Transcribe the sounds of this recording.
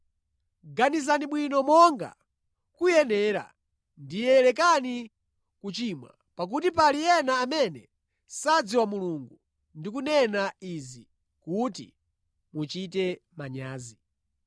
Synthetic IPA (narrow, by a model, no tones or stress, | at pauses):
ɡanis̬aniɓwinɔmɔŋɡa̰ | kujɛnɛːɾa̰ | ndijɛlɛk̬ani | kut͡ʃimwa̰ | pak̬ut̬ipalijɛnaːmɛnɛ | sad͡ziwamuluŋɡu | ndik̬unɛnaizi | kutḭ | mut͡ʃitɛmaɲaːzi